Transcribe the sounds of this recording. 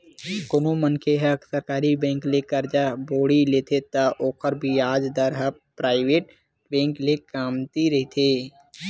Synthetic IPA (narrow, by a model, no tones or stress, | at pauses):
konomənkʰeɦəksəɾkaːɾibẽːŋklekəɾd͡ʒaboːɽileːt̪ʰet̪aʔoːkʰəɾbʱiaːd͡ʒd̪əɾɦə | pɾaːɪʋeːʈ | bɛ̃ːŋklekaːmt̪iɾɐɦit̪ʰeː